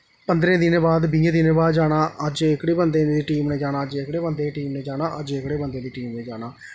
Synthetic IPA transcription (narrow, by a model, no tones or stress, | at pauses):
pənd̪ɾẽːd̪ɪnẽːbaːd̪biẽːd̪ɪnẽːbaːd̪d͡ʒaːɽ̃aːʔəd͡ʒɪkɽeːbənd̪ẽːd̪iːʈiːmnẽːd͡ʒaːɽ̃aːəd͡ʒeːɪkɽeːbənd̪eːʈiːmneːd͡ʒaːnaːʔəd͡ʒɪkɽeːbənd̪eːd̪iːʈiːmnẽːd͡ʒaːɽaː